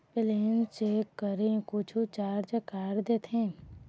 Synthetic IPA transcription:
pɪleːnt͡ʃekːəɾekʊt͡ʃʰut͡ʃaːɾd͡ʒəkaːɾd̪eːt̪ʰɦẽː

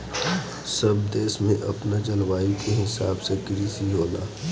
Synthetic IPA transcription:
sɐbd̪eːsmẽʔɐ̰pnad͡ʒɐlʋaːikeɦɪsaːbsekɪɾisiɦoːna̰ː

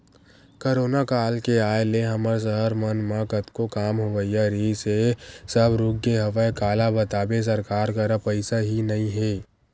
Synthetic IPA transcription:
koɾoːnakaːlkeaːeleɦɐməɾs̬əɦəɾmənmãkət̪kokaːmɦoʋəijaɾisesəbɾʊɡːeɦɐʋəekaːlabɐt̪aːbes̬ɐɾkaːɾkɐɾəpəɪsaɦinɐɦĩɦeː

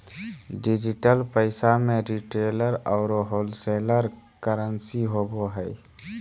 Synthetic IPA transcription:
ɖid͡ʒiʈəlpəɪsamẽɾiʈeːləɾɔːɾɦoːlseːləɾ | kəɾənsiɦoboɦəɪ

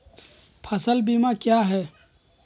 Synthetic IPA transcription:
pʰɐsəlbimakjaːɦɛː

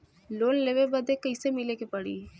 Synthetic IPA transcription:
loːnleːʋebəd̪ekəisemɪlekepəɽḭː

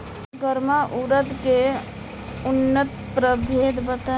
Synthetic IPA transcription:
ɡəɾmaʔuɾəd̪ke | ʊnːət̪pɾəbʱeːd̪bət̪a

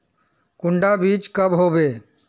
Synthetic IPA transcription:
kʊɳɖabiːt͡ʃkəbɦobeː

